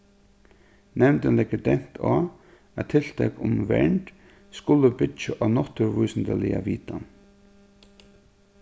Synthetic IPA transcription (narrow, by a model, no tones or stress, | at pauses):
nɛmnt̪ənlɛkːət̪ɛn̥t̪ʰaː | æt̪ʰːɪl̥t̪ʰɛkʊmʋɛ̰ɳʈ | skʊləbɪt͡ʃəʔanɔt̪əɹʋʊjsənd̪əlɪaʋiːt̪an